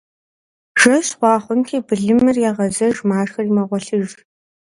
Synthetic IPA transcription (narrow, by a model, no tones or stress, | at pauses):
ʒ̥ɐɕχʷɑːχʷʊntʰiːbɨɮɨmɨrjaːʁɐzɐʒmaːʂxɐrimɐʁʷɔɬɨʒ